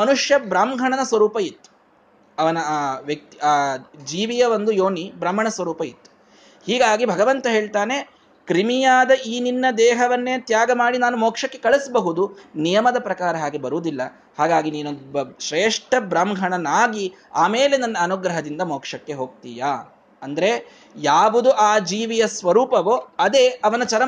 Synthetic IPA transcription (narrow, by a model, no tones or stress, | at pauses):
mɐnuʂjɐbɾaːmɡʱɐɳɐnɐsʋɐɾuːpɐit̪ːu̥ | ɐʋɐnɐːʋjɐk̚t̪iaːd͡ʒiːʋijɐʋond̪ujoːnibɾɐmːɐɳɐsʋɐɾuːpɐit̪ːu̥ | hiːɡaːɡibʱɐɡɐʋɐnt̪ɐɦe̞ːɭt̪aːne | kɾimijaːd̪ɐʔiːninːɐd̪ɛːɦɐʋɐnːeːt̪jaːɡɐmaːɽinaːnumoːkʂɐkːe̞kɐɭisbɐɦud̪unijɐmɐd̪ɐpɾɐkaːɾɐɦaːɡibɐɾuːd̪ilːɐ | haːɡaːɡiniːnunbʃɾeːʂʈɐbɾɐmɡʱɐɳɐnaːɡi | aːmeːle̞nɐnːɐːnuɡɾɐɦɐd̪ind̪ɐmoːkʂɐkːe̞ɦoːɡ̚t̪iːjaː | ɐnd̪ɐɾe̞ | jaːʋud̪uʔaːd͡ʒiːʋijɐsʋɐɾuːpɐʋoɐd̪eːʔɐʋɐnɐt͡ʃɐɾɐ